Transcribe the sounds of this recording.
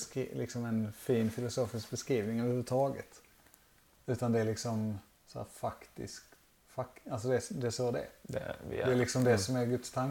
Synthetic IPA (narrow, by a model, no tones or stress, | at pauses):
kːlɪ̰ksɔmɛnfiːnfɪlʊsoːfɪsk̚bɛskɾiːvnɪŋɑvəhʉːət̪ʰɑːɡə̰t̪ | ʉ̟ːt̪and̪ɛæɭɪksɔm | sɔæ̰ɾfakt̪ɪ̰sk | fakalsɔd̪ɛd̪ɛʂoːd̪ɛ̰d̪dɛælɪksɔmd̪ɛsɔmæɾɡɵt̪st̪ʰaŋ